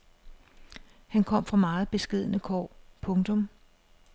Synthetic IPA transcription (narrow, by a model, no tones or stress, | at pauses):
hænkʰɒ̽m̰fʁɑ̈mɑ̈ːð̩ˠb̥e̝sɡ̥e̝ð̰ˠənəkʰɒ̰ːpʰɔ̽ŋt͡sʰɔ̽m